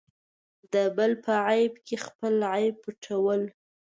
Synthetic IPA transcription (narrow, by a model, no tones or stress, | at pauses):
d̪əbəlpʰəʕajbkʰexpəlʕajbuʈʰawəl